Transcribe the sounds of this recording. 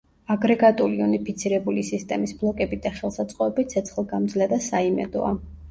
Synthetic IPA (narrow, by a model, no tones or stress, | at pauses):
aɡɾɛɡat̪ʼuliunipʰit̪sʰiɾɛbulisist̪ʼɛmisblˠɔkʼɛbid̪aχɛlˠsat̪sʼqʼɔɛbit̪̚sʰɛt̪sʰχlˠɡamd̪zlɛd̪asaimɛ̰d̪ɔ̰a